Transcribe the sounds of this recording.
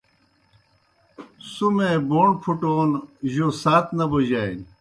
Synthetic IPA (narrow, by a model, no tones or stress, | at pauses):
sumẽːboːɳpʰuʈoːnʑoːsaːt̪ʰnɐboʑaːin